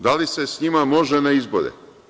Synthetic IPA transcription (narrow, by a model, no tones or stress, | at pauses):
d̪alise̞sɲimamo̞ʒenaizbo̰ɾḛ